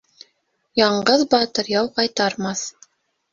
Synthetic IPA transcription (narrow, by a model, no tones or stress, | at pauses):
jɑɴɢɤðbɑt̪ɤɾjɑwqɑjt̪ɑɾmɑθ